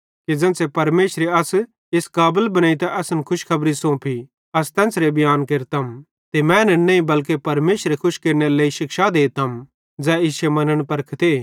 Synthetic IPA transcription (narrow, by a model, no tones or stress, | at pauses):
ked͡zɛ̃ːnsepɐɾmeːʃɾeɐs | eskaːbəlbɐnaːit̪ɛʔɐsənkʰʊʃkʰɐbɾisõpʰi | ɐst̪ɛ̃ːnsɾebɪjaːnkeːɾt̪ɐm | t̪emɛ̃nɛnɐ̃ĩbɐlk̬epɐɾmeːʃɾekʰʊʃkeːɾneɾleːiʃɪkʃad̪eːt̪ɐm | d͡zɛːɪsemɐnəɽ̃pɐɾkʰt̪eː